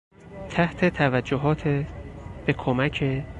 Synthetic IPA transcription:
t̪ʰæht̪ʰe̞t̪ʰævæd͡ʒːoɦɒːt̪ʰeb̥e̞kʰomæcʰe̞

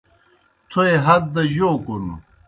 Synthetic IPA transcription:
t̪ʰoeɦɐd̪̚d̪ɐʑoːkunu

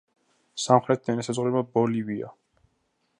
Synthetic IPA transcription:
samχɾɛt̪̚ʰd̪ɛnasazʁuɾɛbabɔlivia̰

